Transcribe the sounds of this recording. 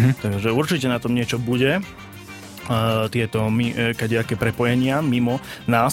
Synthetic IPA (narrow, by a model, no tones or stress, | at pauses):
t̪aʒɛuɾt͡ʃicɛnat̪ɔmɲɪɛt͡ʃɔbuɟɛ | t̪ɪɛt̪ɔmikaɟɛakɛːpɾɛpɔjɛɲɪamimɔnaː